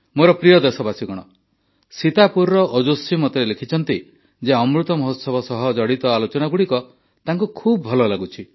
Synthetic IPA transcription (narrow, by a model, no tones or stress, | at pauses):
moɾɔpɾijɔd̪esɔbasiɡɔɽ̃ɔ | sit̪apuɾɾɔʔɔd͡ʒosimɔt̪ɔɾelekʰit͡ʃʰɔnt̪i | d͡ʒeɔmɾut̪ɔmɔɦot̪sɔbɔsɔɦɔd͡ʒɔɽit̪ɔalot͡ʃɔnaɡuɽikɔ | t̪aŋkukʰubɔbʱɔlɔlaɡut͡ʃʰi